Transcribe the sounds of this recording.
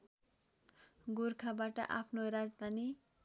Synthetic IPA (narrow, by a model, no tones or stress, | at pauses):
ɡurkʰabaʈʌ̰ʔapʰnoɾad͡zd̪ʱani